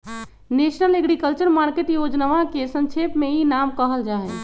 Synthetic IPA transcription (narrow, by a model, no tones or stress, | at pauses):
nesnəleɡɾikəlt͡ʃəɾmaɾkeʈjod͡ʒnəʋakesə̃ŋt͡ʃʰepmeinamkəɦəld͡ʒaɦɛ